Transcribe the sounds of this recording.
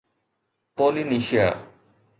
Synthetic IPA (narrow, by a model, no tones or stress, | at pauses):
poliniʃia̰